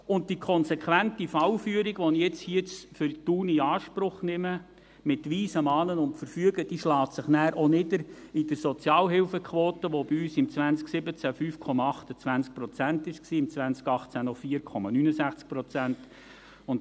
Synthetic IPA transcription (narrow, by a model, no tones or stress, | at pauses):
ʊnt̚dikʰɔnsekʰʋæntifɑwfyəɾiɡ̥ʋɔnijɛt͡shiət͡sfʏɾtuːniɑːʃpɾʊχnɪmə | mɪtʋiːsəmɑːnənʊntfəɾfyəɡəd̥iʃlɑːtsəχnæːɾʔonɪdəɾidəɾsɔt͡sjɑːlɦɪlfəkʰʋoːtəʋob̥iyːsɪmt͡sʋænt͡sksɪbət͡sæfyːfkʰɔmɑɑχtət͡sʋænsk̚pɾɔt͡sæntɪʃksiːɪmt͡sʋænskɑχt͡sænɔfiːəɾkʰɔmɑnynəsæχt͡sk̚pɾɔt͡sænt | ʊnt